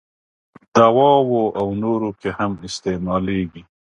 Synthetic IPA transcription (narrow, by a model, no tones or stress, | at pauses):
d̪̥awɑwoʔawnoɾokehamɪst̪emɑleɡi